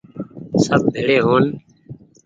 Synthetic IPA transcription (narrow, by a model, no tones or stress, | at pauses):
səb̚bʱeːɽeːɦoːn